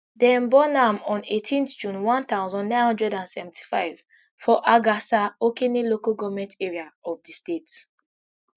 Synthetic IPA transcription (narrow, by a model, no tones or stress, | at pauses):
dɛ̃mbɔnamɔ̃netʰĩntd͡ʒũnwãnt̪aʊzɔ̃nːãj̃nhɔ̃ndɹɛdãnsɛvɛ̃ntʰi̥faɪv | fɔʔaɡasaokenilokaɡɔvmɛ̃nteɹiaɔfdistet